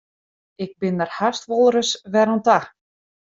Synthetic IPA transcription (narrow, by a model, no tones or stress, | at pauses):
ɪk̚bɪnːarhast̪ʋɔlˠɾəsʋɛɾɔnt̪a